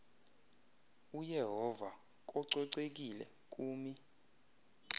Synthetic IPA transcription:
ujɛɦɔva | k̬ʼɔǀɔǀek̬ʼilɛ̰ | kʼuːmi

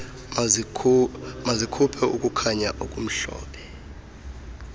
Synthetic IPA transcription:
mazikʰupʰɛʔukʼukʰaɲaʔokʼum̩ɬɔ̰ːɓʰɛ

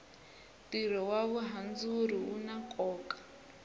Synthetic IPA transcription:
tiɾɔwaβuɦand͡zuɾiunakʼɔːkʼḁ

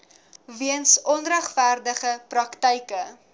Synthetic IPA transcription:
viənsɔnræχfærdəχəprɐktəjkə

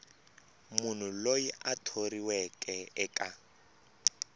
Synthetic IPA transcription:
mun̤ulojiʔatʰoriwɛkʼɛɛkʼa

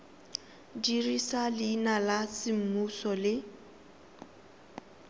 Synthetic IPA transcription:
dirisalɪːnalasɪm̩musɔlɪ

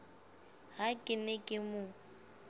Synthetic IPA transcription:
ɦakʼɪmɛkʼɪmʊ

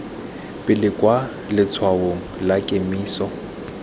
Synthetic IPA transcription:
pʼɪlɪkʼwa | lɪt͡sʰwaoŋ̩lakʼemiːsɔ

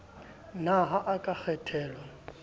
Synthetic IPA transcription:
naɦaʔakʼak͡xʰɛtʰɛːlɔ

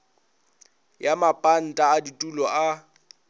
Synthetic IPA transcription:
jamapʼan̩tʼaːditʼulɔʔa

